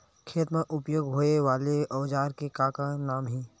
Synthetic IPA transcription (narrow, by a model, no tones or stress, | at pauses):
kʰeːt̪mẽʔʊpjoːɡɦoːeʋaːleʔɔːd͡ʒaːɾkekaːkanaːmɦiː